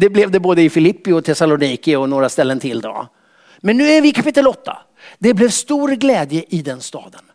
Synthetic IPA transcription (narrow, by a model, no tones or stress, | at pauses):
d̪ɛblɛvd̪ɛboːd̪əɪfɪlɪpːɪɔt̪ʰɛsalʊniːkəɔnoːɾast̪ɛlːənt̪ʰɪld̪ɔ̰ | mɛnːʉ̟ːæɾvɪkʰapɪt̪ːəlɔt̪ːa̰ | d̪ɛblɛvst̪uːɾɡlɛːd̪jəʔɪd̪ɛnst̪ɑ̰ːd̪ən